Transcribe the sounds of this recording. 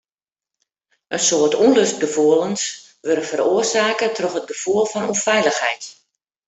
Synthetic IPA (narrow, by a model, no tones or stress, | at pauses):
ʔənsoːərtʰunløst̚ɡəfuəlˠəns | ʋøɾəfəɾoərsaːkətʰrɔxət̚ɡəfuəlˠfɔnufɛjləxɦɛ̰jt